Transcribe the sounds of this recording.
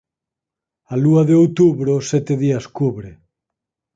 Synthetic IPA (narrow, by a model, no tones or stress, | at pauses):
aluaðeowt̪uβɾosɛt̪eðiaskuβɾe